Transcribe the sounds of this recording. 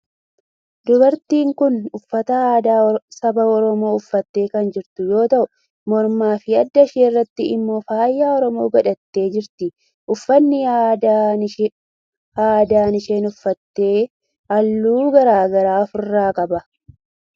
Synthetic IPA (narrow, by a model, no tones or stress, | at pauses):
d̪ʊbɐɾt̪iːŋkʊnʊfːɐt̪ɐː | sɐbɐɔɾɔmo̞ːʊfːɐt̪ːe̞ːkɐnd͡ʒɪɾt̪ʊjo̞ːt̪ɐʔʊ | mɔɾmaːfɪɐd̪ːɐʃeːrːɐt̪ːɪɪmːo̞ːfaːjːaːɔɾɔmo̞ːɡɐᶑɐt̪ːe̞ːd͡ʒɪɾt̪ɪ | ʔʊfːɐnːɪja | haːd̪aːnɪʃe̞ːnʊfːɐt̪ːe̞ː | ɐlːuːɡɐɾaːɡɐɾaːfʊrːaːkʼɐbɐ